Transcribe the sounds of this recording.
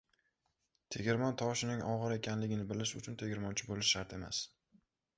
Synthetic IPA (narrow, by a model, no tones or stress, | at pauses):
t̪ʰe̞ɡʲɪɾmɒnt̪ʰɒʃɪnɪŋɒʁɨɾe̞kʲanlɪɡʲɪnɪbɪlɪʃʊt͡ʃʰʊnt̪ʰe̞ɡʲɪɾmɒnt͡ʃʰɪbolɪʃːaɾt̪ʰe̞ma̰s